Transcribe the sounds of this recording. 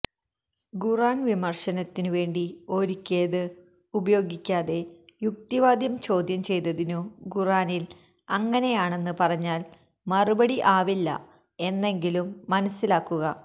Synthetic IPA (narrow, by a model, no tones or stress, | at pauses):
ɡuraːnʋimɐrʂɐnɐt̪ːinɨʋe̞ːɳɖio̞ːɾikʲːe̞ːðɨ | ubɐjo̞ːɡikʲːaːðe̞juk̚t̪iʋaːd̪jɐmt͡ɕo̞ːd̪jɐmt͡ɕe̞jt̪ɐðinuɡuraːnil | ɐŋːɐne̞jaːɳe̞nːɨpɐrɐɲːaːl | mɐrubɐɽiʔaːʋilːɐ̰ | e̞nːe̞ŋɡilumːɐnɐsːilaːkːuɣɐ